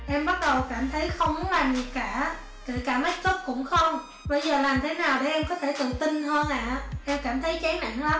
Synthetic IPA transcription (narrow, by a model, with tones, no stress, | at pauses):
ʔɛ˧mɓa˦˥t̚ɗə˨˩wkaː˧˩mt̪ʰə˨˦jxə˧wŋ͡mm˨˦ŋlaː˨˩mɗi˨˩kaː˧˩ | ke˧˩kaː˧˩ma˨˦˥t̚zə˦˥p̚kʊ̰˧˥ŋ͡mxə˧wŋ͡m | ɓə˧jzəː˨˩laː˨˩mt̪ʰe˨˦naː˨˩wɗe˧˩ʔɛ˧mkɔ˨˦t̪ʰe˧˩t̪ɨ̰˧˨t̪i˧nɦəː˧nʔa̰ː˧˨ʔɛ˧mkaː˧˩mt̪ʰə˨˦jt͡ɕe˨˦na̰ː˧˨ŋla˨˦m